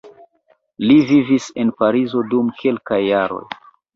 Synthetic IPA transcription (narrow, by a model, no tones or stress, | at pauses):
livivise̞npaɾizo̞dumkʰe̞lkajːaɾo̞̰j